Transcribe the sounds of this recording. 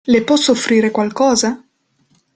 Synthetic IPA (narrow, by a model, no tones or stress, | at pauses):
lepwɔsofɾiːɾekwalkɔːza